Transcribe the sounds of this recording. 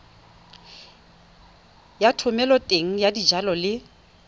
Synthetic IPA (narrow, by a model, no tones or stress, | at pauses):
jatʰʊmɛlɔtʼeŋ̩jadid͡ʒalɔlɪ